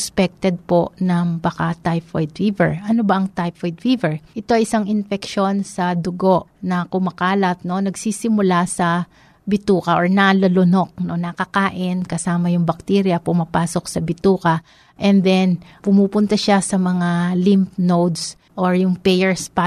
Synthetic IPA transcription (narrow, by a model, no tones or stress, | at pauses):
spɛk̚t̪ɛd̪̚po̞nɐŋbɐkat̪ajfojd̪fivɛ̰ɹʔɐnobɐʔɐŋt̪ajfojd̪fivɛɹʔɪt̪o̞ɐjʔɪsaŋɪnfɛkʃo̞nsɐd̪ʊɡo̞ʔnɐkʊmɐkaːlɐt̪̚no̞nɐɡsiːsɪmʊlasɐ | bɪt̪uːkɐʔoɹnalɐlʊno̞k̚no̞nɐkɐkaːʔɪnkɐsaːmɐjʊŋbɐk̚t̪iːɾjɐpʊmɐpaːso̞k̚sɐbɪt̪uːkɐ | ʔɛnd̪ɛnpʊmuːpʊnt̪ɐʃasɐmɐŋalimp̚nowd̪s | ʔoɹjʊŋpɛjɛɹspa